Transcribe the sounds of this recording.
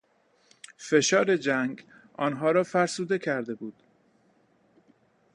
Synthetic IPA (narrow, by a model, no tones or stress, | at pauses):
fe̞ʃɒːɾe̞d͡ʒæŋɡ | ʔɒ̰ːnɦɒːɾɒːfæɾsuːd̪e̞cʰæɾd̪e̞buːd̪̥